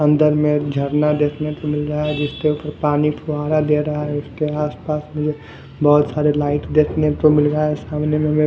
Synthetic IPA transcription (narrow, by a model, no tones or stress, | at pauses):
ɐ̃nd̪əɾmẽd͡ʒʱəɾnad̪eːkʰnek̪omɪlɾaɦaɦɛd͡ʒɪskeuːpəɾpaːnipʰʊɦaːɾad̪eːɾɐɦaɦɛʊskeaːspaːsmẽd͡ʒʱe | bɔɦʊt̪saːɾelaːɪʈd̪eːkʰnet̪omɪlɾəɦaɦɛsaːmnemẽmẽ